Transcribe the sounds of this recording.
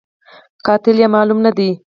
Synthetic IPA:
qɑt̪ɪljɑmɑlumnad̪e

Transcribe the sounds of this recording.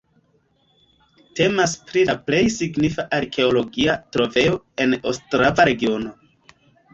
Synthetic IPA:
te̞maspɾilaple̞jsiɡnifaʔaɾkʰe̞o̞lo̞ɡiatɾo̞ve̞o̞ | e̞nastɾavaɾe̞ɡio̞no̞

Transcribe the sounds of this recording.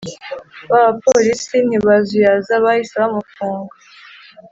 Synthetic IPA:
βaβapoɾisin̥iβazujazaβaisaβamufuːŋɡa

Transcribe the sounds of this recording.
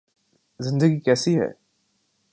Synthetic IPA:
zɪ̃nd̪əɡikɛːsiɦɛ̰ː

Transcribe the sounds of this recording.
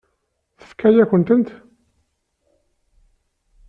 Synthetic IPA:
θə̥fkʰæjækʷənt̪ənt̪

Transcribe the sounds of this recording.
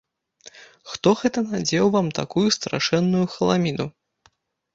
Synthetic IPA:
xt̪ɔɣɛt̪ɐnad͡zʲɛwvamt̪a̰kujust̪ɾʔa̰ʂɛnːujuxɐlˠamʲinu

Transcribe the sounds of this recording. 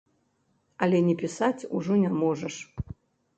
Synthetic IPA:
ɐlʲɛnʲɛpʲisat͡sʲuʐɔnʲamɔʐɐʂ

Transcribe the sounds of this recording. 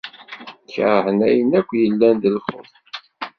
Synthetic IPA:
kːɾħənæjənækʷːjəlːænd̪əlχə̰θ

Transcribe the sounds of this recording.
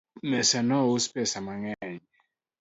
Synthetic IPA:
mɛsɛnɔwuspɛsamaŋɛɲɛ

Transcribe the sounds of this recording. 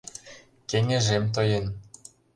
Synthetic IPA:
keŋʲĕʒemt̪̬ɤ̆jen

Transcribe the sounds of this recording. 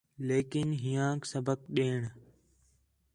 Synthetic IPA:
leːkɪnɦijãːksəbʱək̚ɗeːɳ

